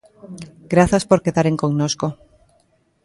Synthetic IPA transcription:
ɡɾaθaspoɾkeðaɾeŋkoŋnosko

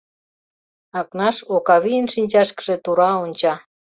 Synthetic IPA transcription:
ɑknɑʃokɑβiənʃinʲt͡ɕɑʃkə̥ʒĕt̪uɾɑonʲt͡ɕɑ

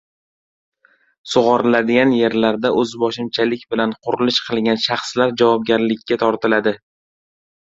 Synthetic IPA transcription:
sʊʁɑɾlad̪ɪɡʲanje̞ɾlaɾd̪aʔɵzbɒʃɪmt͡ʃʰalɪkʲbɪlanqʰʊɾɪlɪʃqʰɨlˠɡʲanʃɑχslaɾd͡ʒavɒb̚ɡʲaɾlɪkʲʰːat̪ʰɒɾt̪ʰɪlad̪ɪ

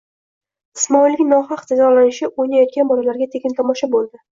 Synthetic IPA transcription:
ɪsmɒilːɪkʲnɒχaqd͡ʒazɒlanɪʃɪʔojnajɒt̪̚kʲanbɒlalaɾɡʲat̪ʰe̞kʲɪnt̪ʰɒmɒʃabolˠd̪ɪ

